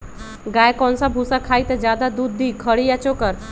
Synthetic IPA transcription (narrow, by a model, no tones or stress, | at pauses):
ɡajkɔnsabʱusakʰait̪ed͡ʒjad̪ad̪uːd̪ːiːkʰəɽijat͡ʃokəɾ